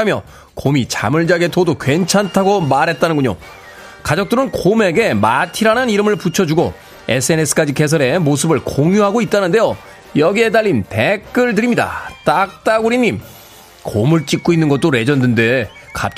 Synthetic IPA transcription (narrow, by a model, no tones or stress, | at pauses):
amjʌ | komit͡ɕa̰mɯɭd͡ʑaɡe̞todokwe̞nt͡ɕʰantʰaɡomaɾɦe̞t̚t͈anɯnɡuɲo̰ | kad͡ʑʌk̚t͈ɯɾɯnkome̞ɡe̞matʰiɾananiɾɯmɯɭput͡ɕʰʌd͡ʑuɡo̰ | e̞̰sʰɯe̞ne̞sʰɯ̥k͈ad͡ʑike̞s̬ʰʌɾe̞mos̬ʰɯbɯɭkoŋjuɦaɡoit̚t͈anɯnde̞jo | jʌɡie̞daʎːinpe̞kk͈ɯɭdɯɾimɲida̰t͈ak̚t͈aɡuɾiɲːim | komɯɭt͡ɕ͈ik͈̚oinːɯnɡʌt̚t͈oɾe̞d͡ʑʌndɯnde̞ | ka̰p̚t͡ɕ